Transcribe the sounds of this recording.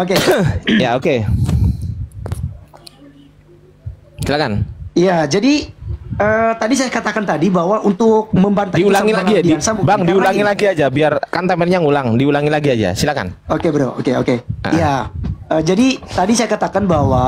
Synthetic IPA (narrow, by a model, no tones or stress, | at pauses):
okejaoke | silakanijad͡ʒadiət̪adis̬ajakat̪akant̪adibaɦwaʔunt̪ʊk̚məmbant̪adiulaŋilaɡiadisabaŋdiulaŋilaɡiad͡ʒabiarkant̪amɛnɲaŋulaŋdiulaŋilaɡiad͡ʒa̰silaka̰nokebəɾowokeokeʔa̰ʔjjaəd͡ʒadit̪adisajakat̪akanbawa